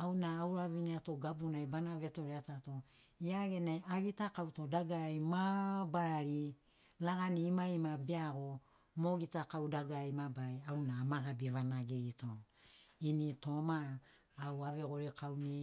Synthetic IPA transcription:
awnaːwɾaβiniato̞ɡabunajbanaβe̞to̞ɾeatato̞ | iaɡe̞najaɡitakawto̞daɡajmabaɾaɾi | laɡaniːmajmabeaɡo̞ | mo̞ɡitakawdaɡajmabaeawnaːmaɡabiβanaɡeɡito̞inito̞maː | waβe̞ɡoɾekʰawni

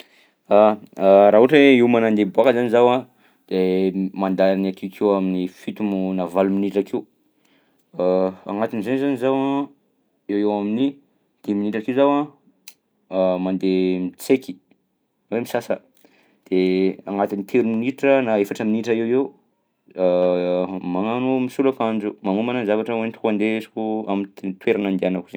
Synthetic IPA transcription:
aɾaɦuʈ͡ʂeiwmanand̪ebuakəzanizawã | d̪̥emand̪aanak̪ʰikʰewaminifit̪umunavaluminiʈ͡ʂakʰiu | aŋat̪inizanizanizawa | ewewamini | d̪̥eminiʈ͡ʂakiuzawã | mand̪emit͡seki̥ | wemisasə̰ | d̪̥eaŋat̪init̪ʰeɾuminiʈ͡ʂənaefaʈ͡ʂəminiʈ͡ʂəewew | maŋanumisulakand͡ʒumaŋumananzavaʈ͡ʂəwent̪kuand̪esi̥kua̰mit̪t̪weɾanand̪eanakuze

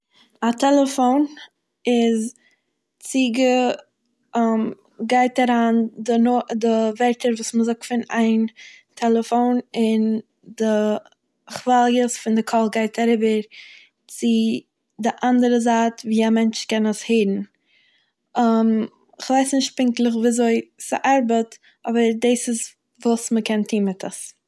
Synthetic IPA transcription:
atʰɛlˠəfoʊn | ɪz | t͡siɡə | m | ɡaɪtaɾaːndɪnodɪvɛɾtəɾvuːsməzʊk̚tfɪnaɪn | tʰɛlˠəfoʊnɪn | dɪ | χvalˠjəsfɪndɪkʰɔlˠɡaɪtʰaɾɪbəɾ | t͡sɪ | dɪʔandəɾəzaːtviːamɛnt͡ʃkɛnəsheɪɾn̩ | əm | ɪχvaɪsnɪʃt̚pɪŋklˠəχviːzoɪsɪ̰ʔaɾbət | ʔɔbəɾdeːsɪs | vuːsməkɛntʰiːnmɪtʰəs

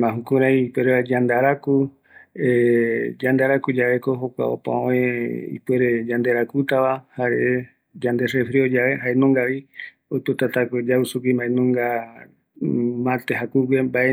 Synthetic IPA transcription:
mãɦũkuɾaiipweɾead͡ʒand̪aɾaku | ed͡ʒand̪aɾakud͡ʒaʋe̞koɦokʷa̰o̰pã̰õẽḭpweɾed͡ʒãnd̪eɾakut̪aʋahaɾeʔe | d͡ʒand̪esefɾiod͡ʒaβeɦaenõŋɡaʋi | ojpet̪at̪aked͡ʒausukimãẽnõŋɡa | mãt̪eɦakuɡembaʔe

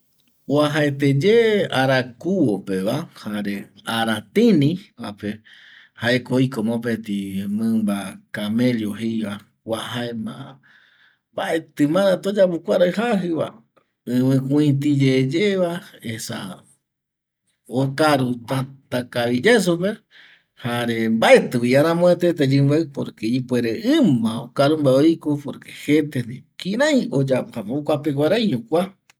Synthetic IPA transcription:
waɦaet̪ed͡ʒeaɾakuwopeβahaɾeaɾat̪ĩnĩβape | haekoikomõpet̪imɨ̃mbakameljoɦejβa | wahaemã̰ | baʔet̪ɨmãɾãt̪od͡ʒapukʷaɾaɨhaɦɨβa̰ | ɨ̃mɨ̃kũĩt̪̬id͡ʒed͡ʒeβaesa̰ | okaɾut̪at̪akaβid͡ʒes̬upe | haɾembaʔet̪ɨwiaɾãmõet̪et̪̬ed͡ʒɨ̃mbapoɾkeipweɾeʔɨ̃mãokaɾumbaoikopoɾke̥het̪enikĩɾãj̃od͡ʒaphamokʷapeɡʷaɾajɲõkʷa

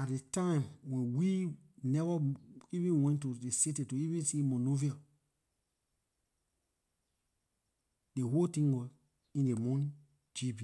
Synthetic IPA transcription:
atdetãɪ̃mwɛ̃nwi | nɛvaivĩnwɛ̃ntudesitetuivĩnsimɔnovia | deɦoltĩŋwɔ | ĩndemɔ̃nĩ | d͡ʒibi

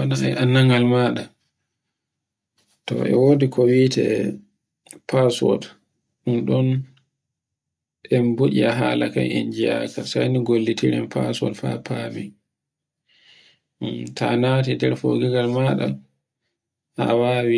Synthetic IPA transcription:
wanaajanːaŋɡalmaːɗa | tɔ̰ʔɛ̰wodikʰɔwiːtɛ̰ | pʰasɔ̰d | ɗunɗɔn | ʔɛmbuʔiaɦalakajʔɛnd͡ʒia̰kasajniɡolːitiɾɛmpa̰sɔ̰lfa̰pʰabi | ntʰanatidɛɾfo̰ɡiɡalmaɗa | awaːwi

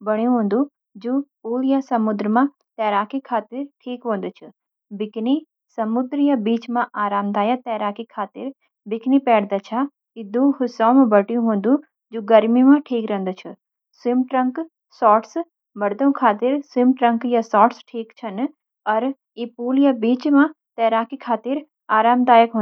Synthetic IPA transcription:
bɐɽ̃ijũɦũːnd̪u | d͡ʒuːpuːljasɐmʊd̪ɾəmã | t̪ɛːɾaːkikʰaːt̪ɪɾʈʰiːkʋõːn̆d̪ʊt͡ʃʰʊ | bɪkni | sɐmʊd̪ɾjabiːt͡ʃmãʔaːɾaːmd̪aːjat̪ɛːɾaːkikʰaːt̪ɪɾ | bɪkʰnipɛːɽd̪at͡ʃʰa | ɪd̪ũhʊsaːmãbɐʈijũɦũːnd̪u | d͡ʒoːɡɐɾmimãʈʰiːkɾɐ̃nd̪ut͡ʃʰu | sɪmʈɾɐ̃ŋk | sɔːʈs | bɐɽd̪õkʰaːt̪ɪɾsɪmʈɾɐ̃ŋkjasɔːʈsʈʰiːkt͡ʃʰɐn | ɐɾ | ipuːlijabiːt͡ʃmã | t̪ɛːɾaːkikʰaːt̪ɪɾ | aːɾaːmd̪aːjəkɦõn

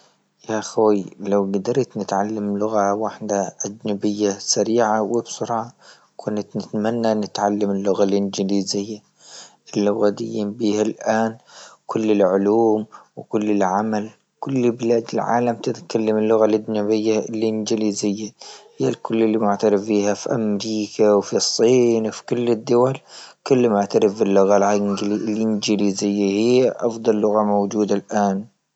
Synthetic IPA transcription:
jaʔxoːlawɡad̪ɑɾˤt̪nɪt̪ʕalːamlʊɣawaħd̪aʔad͡ʒnabɪjːasaɾiːʕawɪbsʊɾʕa | kʰʊnt̪nɪt̪manːanɪt̪ʕalːamɪlːʊɣalʔɪnd͡ʒɪliːzɪjːa | ʔɪlːʊɣad̪ɪ̰jːɪmbiːhalʔaːnkʰʊlːɪlʕʊluːmwkʊlːɪlʕamal | kʊlːbɪlaːd̪ɪlʕa̰ːlamt̪ɪt̪kalːamɪlːʊɣalʔad͡ʒnabɪjːalːʔɪnd͡ʒɪliːzɪjːahiːalkʊlːɪlːimʊʕt̪aɾɪfbiːhafiʔamɾiːkʰawfisˤːiːnwfi̥kʊlːɪd̪ːʊwalkʊlːmʊʕt̪aɾɪfbɪlːʊɣallʔɪnd͡ʒɪliːzɪjːahijːaʔɑfd̪ˤɑlːʊɣamowd͡ʒuːd̪alʔaːn

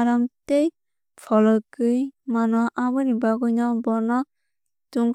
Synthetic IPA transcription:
ɾamtej | pʰɔlɔkɯjmanɔʔabɯnibaɡɔjnɔbɔnɔ | tuŋ

